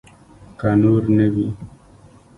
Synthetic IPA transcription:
kanuɾnebi

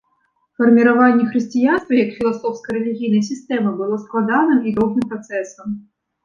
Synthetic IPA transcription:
fɐrmʲiɾavanʲːɛxɾɨsʲt͡sʲijanst̪vʲɐjɐkfʲilˠasɔfskɐɾɛlʲiɣʲijnɐjsʲist̪ɛmɨbɨlˠɔsklˠad̪anɨmid̪ɔɣnɨmpɾɐt̪sɛsɐm

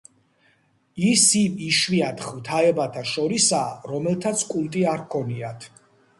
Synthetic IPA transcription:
isimiʃwiat̪ʰχvt̪ʰaɛbat̪ʰaʃɔɾisaːɾɔmɛlt̪ʰat̪sʰkʼulˠt̪ʼiaɾkʰɔniat̪ʰ

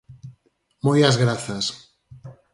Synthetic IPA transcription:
mojazɣɾaθas

